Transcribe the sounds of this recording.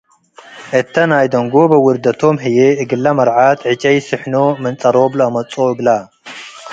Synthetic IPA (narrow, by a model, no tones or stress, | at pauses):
ʔɨt̪ʰːɐnajd̪ɐŋɡobɨwʊɾd̪ɐt̪ʰomɦɨjeɨɡɨlːɐmɐɾʕat̪ʰʕɨt͡ʃʼɐjsɨħnomɨnt͡sʼɐɾoblɐɐmɐt͡sʼoɨɡla